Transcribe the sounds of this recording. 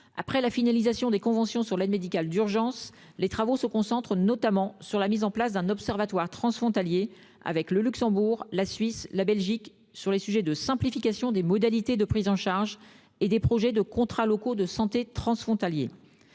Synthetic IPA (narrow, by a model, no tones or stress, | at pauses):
a̰pχɛlafinalizasjɔ̃d̪ekɔ̃vɑ̃sjɔ̃syʁlɛd̪med̪ikʲald̪yʁʒɑ̃s | let̪χavosəkɔ̃sɑ̃t̪χənɔt̪amɑ̃syʁlamizɑ̃plasd̪ɛ̃nɔpsɛʁvat̪waʁt̪χɑ̃sfχɔ̃t̪alje | a̰vɛkləlyksɑ̃buʁlasɥislabɛlʒik | syʁlesyʒɛd̪əsɛ̃plifikʲasjɔ̃d̪emɔd̪alit̪ed̪əpχizɑ̃ʃaʁʒ | ed̪epχɔʒɛd̪əkɔ̃t̪χalɔkod̪əsɑ̃t̪et̪χɑ̃sfχɔ̃t̪aljḛ